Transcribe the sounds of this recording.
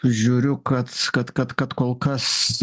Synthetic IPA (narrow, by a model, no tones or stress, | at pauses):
ʒʲuːɾʲʊkɐt̪kɐt̪kɐt̪kɐt̪koːlˠkɐs